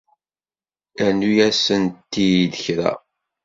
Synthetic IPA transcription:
ænujæsənt̪ːijiðəçɾæ̰

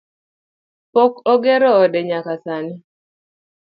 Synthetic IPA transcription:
pokɔɡeɾɔːdɛɲakasanɪ

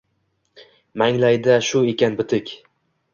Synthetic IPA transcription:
maŋlajd̪aʃʊe̞kʲanbɪt̪ʰɪkʲ

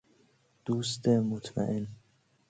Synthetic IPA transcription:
d̪̥uːst̪emot̪ʰma̰ʔen

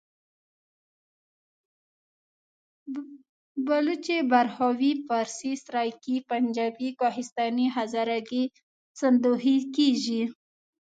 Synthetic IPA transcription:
balut͡ʃebaɾhawifaɾsisɾajkipand͡ʒɑbikɑɦɪst̪ɑniɦazaɾaɡi | sand̪ohikeʒi

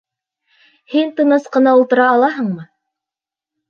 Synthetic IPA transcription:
hint̪ɤ̆nɤsqɤ̆nɑulˠt̪ɤ̆ɾɑːlˠɑɦɤɴmɤ

